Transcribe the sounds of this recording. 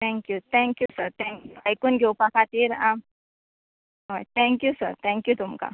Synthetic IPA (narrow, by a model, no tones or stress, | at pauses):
t̪ʰɛ̃ŋkjut̪ʰɛ̃ŋkjusəɾt̪ʰɛ̃ŋkjuajkuːnɡʱewpakʰat̪iːɾam | ɦojt̪ʰɛ̃ŋkjusə̰ɾt̪ʰɛ̃ŋkjut̪umka̰